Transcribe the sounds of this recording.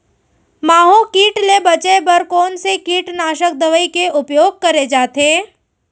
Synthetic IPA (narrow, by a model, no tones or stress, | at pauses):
maːɦõkiːʈlebɐt͡ʃebɐɾkɔːnsekiːʈnaːʃək̚d̪əʋəikeʊpjoːɡ̚kɐɾed͡ʒaːt̪ẽː